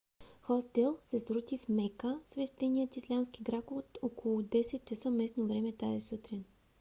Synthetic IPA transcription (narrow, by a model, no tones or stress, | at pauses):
xɔst̪ɛlˠsɛsɾut̪ifmɛkəsvɛʃt̪ɛniət̪islʲamskiɡɾakot̪okʰolˠʊd̪ɛsɛt̪̚t͡ʃɐsəmɛsnovɾɛmɛt̪aisut̪ɾin